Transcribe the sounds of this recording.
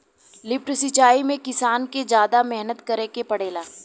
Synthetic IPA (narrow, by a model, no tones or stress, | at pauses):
lɪpʈsɪt͡ʃaːimẽkɪsaːnked͡ʒjaːd̪amɛɦnət̪kɐɾekepɐɽeːlaː